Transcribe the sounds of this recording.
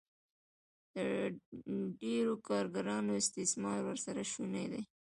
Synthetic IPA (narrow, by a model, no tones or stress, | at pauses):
d̪̥ə | ɖeɾokɑɾɡaɾɑnoɪst̪ɪsmɑlwəɾsaɾaʃunajd̪aj